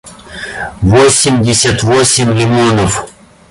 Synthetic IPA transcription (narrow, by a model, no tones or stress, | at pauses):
vosʲɪmʲdʲɪsʲat̪vosʲɪmʲlʲɪmonəf